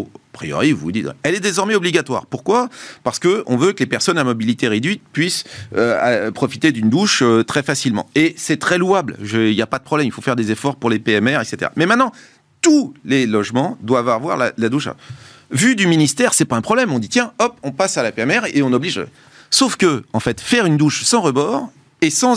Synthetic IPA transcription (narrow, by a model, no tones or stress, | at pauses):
apχijɔ̰ʁivṵd̪iwɛ̰ɛlɛd̪ezɔʁmɛɔbliɡʲat̪wa̰ʁpuʁkwapaʁsə̥kəɔ̃vøklepɛʁsɔnamɔbilit̪eʁed̪ɥit̪̚pɥisøapχɔfit̪ed̪ynd̪uʃøt̪χɛfasilmɑ̰̃esɛt̪χɛluablʒəiljapad̪əpχɔblɛmilfofɛʁd̪ezefɔʁpuʁlepeɛmɛʁɛkset̪ḛʁa̰mɛmɛ̃t̪nɑ̃ | t̪ulelɔʒmɑ̃d̪wavavwa̰ʁla̰lad̪uʃa̰ | vyd̪yminist̪ɛʁsɛpaɛ̃pχɔblɛmɔ̃d̪it̪jɛ̃ɔpɔ̃pasalapeɛmɛʁeɔ̃nɔbliʒ̰ | sofkəɑ̃fɛt̪fɛʁynd̪uʃsɑ̃ʁəbɔːʁ | esɑ̃